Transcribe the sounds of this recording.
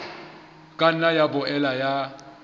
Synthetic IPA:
kʼan̩najabʊʔɛlaja

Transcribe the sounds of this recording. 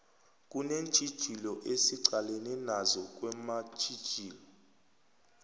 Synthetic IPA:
kʼunent͡ʃʰʼid̥ʒ̥ʱilɔʔesiǀaleninazɔk̬ʼwɛmḁt͡ʃʰʼid̥ʒ̥ʱiːlɔ

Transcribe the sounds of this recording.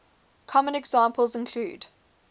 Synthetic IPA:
kʰɔmə̃nɛɡz̥ɑ̃ːˑmpʰəlˠzɪ̃nkʰl̥ṵːd

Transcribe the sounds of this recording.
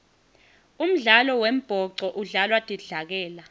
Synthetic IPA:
um̩ɮalɔwem̩b̥ʱɔǀɔʔuɮalwad̥ʱiɮak̬ɛːla

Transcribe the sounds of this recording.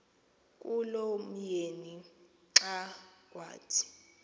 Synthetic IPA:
kʼulom̩jeni | ǁakʼwa̰ːtʰi̥

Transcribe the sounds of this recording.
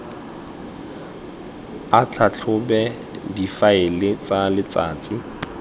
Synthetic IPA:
at͡ɬʰat͡ɬʰʊbɛ | difaɪlɪt͡sʼalɪt͡sʼaːt͡sʼi

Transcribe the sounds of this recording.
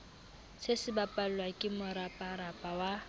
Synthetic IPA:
sɪsɪbapʼal̩lwakʼɪmʊɾapʼarapʼawa

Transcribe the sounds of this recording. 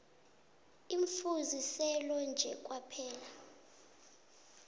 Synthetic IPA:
iɱfuzisɛlɔnd͡ʒʱɛk̬ʼwapʰɛːla

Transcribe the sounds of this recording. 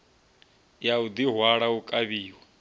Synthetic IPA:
jaud̪iɦwaɺaukʼaβiːwa

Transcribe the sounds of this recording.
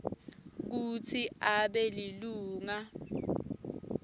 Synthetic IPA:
k̬ut͡sʰiaɓɛliluːŋa

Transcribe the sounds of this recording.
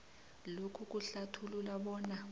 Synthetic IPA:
lokʰuk̬ʼuɬatʰululaɓɔːna

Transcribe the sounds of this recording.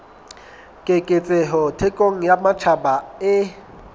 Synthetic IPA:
kʼɪkʼɪt͡sʼɛɦɔtʰekʼoŋ̩jamat͡ʃʰabaɪ

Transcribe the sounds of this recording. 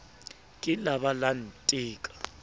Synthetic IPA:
kʼɪlaβalan̩tʼiːkʼḁ

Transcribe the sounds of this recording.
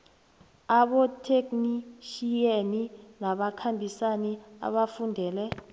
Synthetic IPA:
aɓɔtʰekniʃijeninaɓakʰambʱisania̰ɓafundʱɛːlɛ

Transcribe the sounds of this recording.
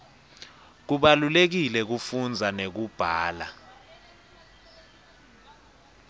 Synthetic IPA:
k̬uɓalulek̬ilɛk̬ufund͡zʱanek̬ub̥ʱaːla̰

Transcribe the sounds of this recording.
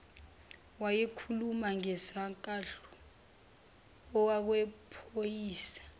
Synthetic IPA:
wajɛkʰulumaŋɛsaŋkʼaɬu̥ | ɔwak̬wɛpʰojiːsḁ

